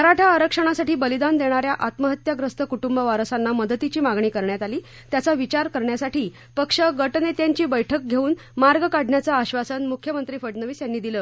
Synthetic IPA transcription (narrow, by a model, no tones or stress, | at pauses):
ɦəɾaʈʰaəɾəkʂəɽ̃asaʈʰiːbəlid̪and̪eɽ̃aɾjaʔat̪məɦət̪jaɡɾəst̪ʰəkuʈumbəʋaɾəsanːaməd̪ət̪it͡ɕiːmaɡɳiːkəɾɳjat̪aliː | t̪jat͡saʋit͡ɕaɾkəɾɳjasaʈʰiː | pəkʂəɡəʈnet̪jaɲt͡ɕiːbəjʈʰək̚ɡʱeuːn | maɾɡəkaɽ̤ʱɳjat͡saːɕʋasənmukʰjəmənt̪ɾiːfəʈnəʋiːsjanːiːd̪iləː